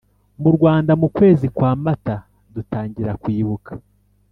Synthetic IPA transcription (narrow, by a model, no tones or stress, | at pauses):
muɾɡwaːndamukwe̞ːzikwaːmata | dutaːɲɟiɾakwiːβukḁ